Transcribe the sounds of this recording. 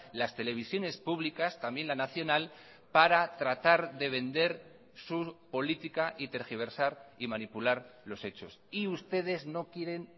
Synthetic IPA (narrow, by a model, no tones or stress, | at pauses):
last̪e̞le̞β̞isjo̞ne̞spuβ̞likast̪ambje̞nlanaθjo̞nal | paɾat̪ɾat̪aɾðe̞β̞e̞nd̪e̞ɾ | supo̞lit̪ikaʔit̪eɾxiβ̞e̞ɾsaɾimanipulaɾlo̞se̞t͡ʃo̞siust̪e̞ð̞e̞zno̞kje̞ɾe̞n